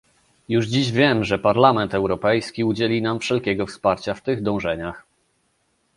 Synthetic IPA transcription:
juʐd͡ʑiʑvʲjɛmʐɛpaɾlamɛnt̪ɛwɾɔpɛjskʲiud͡ʑelʲinamfʂɛlkʲɛɡɔfspaɾt͡ɕaft̪ɘɣd̪ɔ̃w̃ʐɛɲax

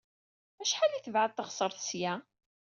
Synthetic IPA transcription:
æʃħaliθəvʕaðθəʁsˤəɾˤθsjæ

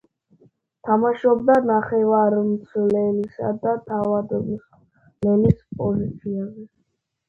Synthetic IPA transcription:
t̪ʰamaʃɔb̚d̪anaχɛvaɾmt̪sʰlɛlisa̰d̪at̪ʰavad̪ɔs | lɛnispʼɔzit̪sʰiabi

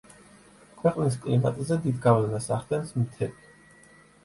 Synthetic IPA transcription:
kʰwɛqʼniskʼlima̰t̪ʼzɛd̪id̪ɡavlɛnasaχd̪ɛnsmt̪ʰɛli

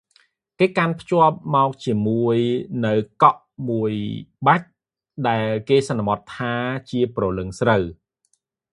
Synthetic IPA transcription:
keːkanpʰt͡ɕŏəp̚mɔɔk̚t͡ɕiəmuəjnɨwkɑʔ | muəjɓac̚ | ɗaɛlkeːsɑnːamɑt̪ʰːaːt͡ɕiəprɑlɨŋsrəw

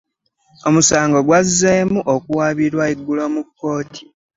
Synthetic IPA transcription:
o̞musaːŋɡoɡwazːeːmuʔokuwaːβiɾwaiɡːulomukːo̞ːtʰi̥

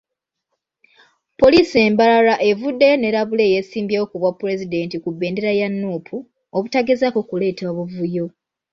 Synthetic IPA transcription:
po̞liːse̞ːmbalalaʔe̞vudːe̞ne̞ɾaβule̞ːjesiːmbjewokuβwapːuɾe̞zide̞ntikubːe̞ːnde̞ɾajanːuːpʰu | oβutaɡezako̞kule̞ːtoβuvujo̞

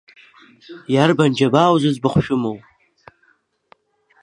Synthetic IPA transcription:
jarband͡ʒabaːwzɨzbaχʷʃᶣʊmowʼ

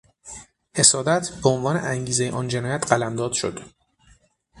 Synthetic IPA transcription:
he̞sɒːd̪æt̪ʰbeonvɒːneʔæŋɟiːzejeʔɒːnd͡ʒe̞nɒːjæt̪ʰɢælæmd̪ɒːd̪̥ʃo̰d̪̥

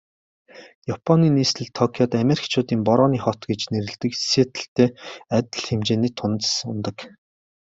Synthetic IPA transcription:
japʰɔniːniːst̪ʰɘ̆ɮt̪ʰːɔkʰjɔt̪ameɾikt͡ɕʰʊːt̪iːmpɔɾɔːniːχɔt̪ɡet͡ɕneɾɘ̆ɮt̪ɘ̆kset̪ɘ̆ɬt̪eːat̪ʲɘ̆ɮxemt͡ɕeːniːt̪ʰːʊnt̪sʊ̰nt̪ə̆k

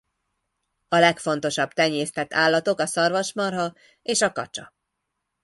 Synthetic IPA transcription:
ɒlɛkfo̞n̪t̪o̞ʃɒbt̪ɛɲːeːst̪ɛt̪ʰːaːlːɒt̪o̞kɒsɒrvɒʃmɒrɦɒ | eːʃɒkɒ̰t͡ʃɒ

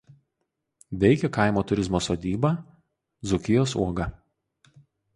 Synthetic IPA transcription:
ʋʲɛɪkʲɛkɑˑɪmoːt̪ʊɾʲɪzmoːsoːd̪ʲiːbɐː | zʊkʲɪjoːsṵɔɡɐ

